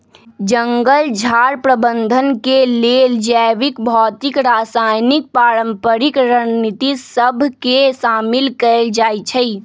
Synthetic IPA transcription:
d͡ʒəŋɡəld͡ʒʱaɾpɾəbənd̪ʱənkeleld͡ʒəʋikbʱɔːt̪ikɾasajnik̚paːɾə̃mpəɾikɾənit̪isəbʱkesaːmilkəeld͡ʒaːjt͡ʃʰəi

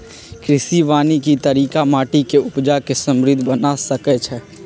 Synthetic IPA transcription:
kɾɪsiʋaːnikit̪əɾiːkamaːʈikeʊpd͡ʒakesə̃mɾɪd̪ʱbənasəkɛt͡ʃʰɛ

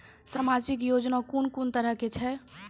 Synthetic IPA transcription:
samad͡ʒikjod͡ʒnakunkunt̪əɾəɦket͡ʃʰɛ

